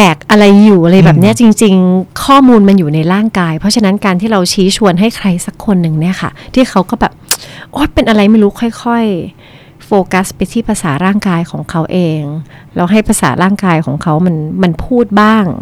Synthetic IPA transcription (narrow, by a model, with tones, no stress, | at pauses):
t̪ɛː˨˩k̚ʔa˧ɾa˧jːuː˨˩ʔa˧ɾa˧jbɛː˨˩p̚ni˦˥ɐ˨t͡ɕi˧ŋt͡ɕi˧ŋkʰɔː˥˩muː˧nma˧njuː˨˩na˧jɾaː˥˩ŋkaː˧jpʰɔ˦˥t͡ɕʰa˧na˦˥nkaː˧nt̪ʰiː˥˩ɾa˧wt͡ɕʰiː˦˥t͡ɕʰu˧ənɦa˥˩jkʰɾa˧jsa˨˩kʰːo˧nːɯ˨˩ŋni˦˥˩ɐkʰa̰˥˩t̪ʰiː˥˩kʰa˦˥wkɔː˥˩bɛː˨˩p̚ʔo˦˥˩pe˧nʔa˧ɾa˧jma˥˩jɾuː˦˥kʰɔ˥˩jkʰɔ˥˩j | foː˧ka˦˥spa˧jt̪ʰiː˥˩pʰa˧saː˩˦ɾaː˥˩ŋkaː˧jkʰɔ̰ː˩˦ŋkʰa˦˥wʔeː˧ŋ | lɛː˦˥wɦa˥˩jpʰa˧sa̰ː˩˦ɾaː˥˩ŋkaː˧jkʰɔ̰ː˩˦ŋkʰa˦˥wma˧nma˧npʰuː˥˩t̪̚baː˥˩ŋ